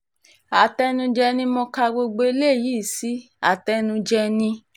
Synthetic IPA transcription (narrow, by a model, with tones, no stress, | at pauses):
a˨tɛ˦nũ˧d͡ʒɛ˧nĩ˦mɔ̃˧ka˧ɡ͡bo˧ɡ͡bo˧e˧˦le˦˨ji˨˦˨si˨˦ | a̰˨tɛ˧˦nũ˧d͡ʒɛ˧nĩ˧